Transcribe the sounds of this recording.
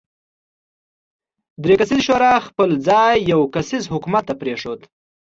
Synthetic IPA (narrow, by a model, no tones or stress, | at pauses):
d̪ɾekasizʃoɾɑxpəld͡zɑjːawkasizhʊkumat̪ːapɾeʂod̪